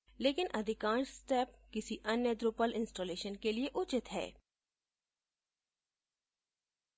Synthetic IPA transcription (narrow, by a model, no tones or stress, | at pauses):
leːkɪnʔɐd̪ʱɪkãːnsʈɛːpkɪsiʔɐnjəd̪ɾʊpəlɪ̃nsʈoːleːʃənkelieʔʊt͡ʃɪt̪ɦɛ̰ː